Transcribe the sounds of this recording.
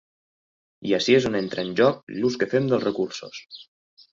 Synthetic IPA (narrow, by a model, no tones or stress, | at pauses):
iasiezonent̪ɾaənʲʒɔk̚luskəfemd̪əlˠzrəkuɾso̰s